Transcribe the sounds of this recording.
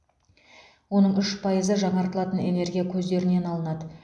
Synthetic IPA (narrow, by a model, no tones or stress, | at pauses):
wo̞nəɴʏʃpʰɑjəzəʒɑɴɑɾt̪əlˠɑt̪əne̞̰ne̞rɡʲijakʲʰɵzd̪e̞ɾɪne̞nɑlˠənɑd̪ə